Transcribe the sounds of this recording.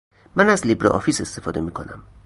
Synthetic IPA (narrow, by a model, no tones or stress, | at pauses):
mænæzlibɾɒ̰ʔɒ̰fise̞st̪e̞fɒːd̪e̞miːkʰo̞næm